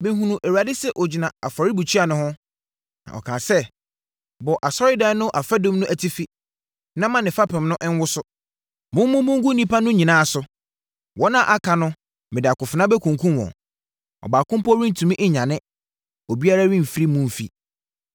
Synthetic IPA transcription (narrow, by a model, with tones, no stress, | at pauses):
mɪ̃˦ɦũ˨nũ˨ʔæ˨wa˨dɪ˦sɛ˦ʔɔ˨d͡ʑi˨nã˨a˨fɔ˨ɾɪ˦bu˨t͡ɕʰi˦a˨nʊ̃˦hʊ̃˦ | nã̰˨ɔ̰˨kʰãː˨sɛ˦ | bɔ˨ʔa˨sɔ˦ɾɪ˦da˨˦nʊ̃˦ʔa˨fa˦dõ˦m˦nʊ̃˦ʔæ˨tʰi˦fi˦ | nã˦mã˨nɪ̃˨fa˦pʰɪ̃˨m˦nʊ̃˦ʔɪ˦n˦wʊ˦sʊ˦ | mʊ̃˦mʊ̃˦mʊ̃˦ŋ˦ɡʊ˦nĩ˦pa˦nʊ̃˦ɲĩ˨nãː˦˨sʊ˨ | wɔ˦nã˦ʔa˦˨kʰa˨nʊ̃˦ | mɪ̃˨dɪ˨a˨kʊ˨fɪ˨nã˦bɛ˦kʰũ˨ŋ˨kʰũ˦wɔ̰̃˨ | ɔ̰˨baː˨kʊ̃˦m˦pɔ˦ɾĩ˦n̩˨tʰũ˨mĩ˦ʔɪ˦ɲã˨nɪ̃˦ | o˨bi˦a˦ɾa˦ɥĩ˦m̩˨fi˦ɾi˦mʊ̃˦˨m̩˦fḭ˨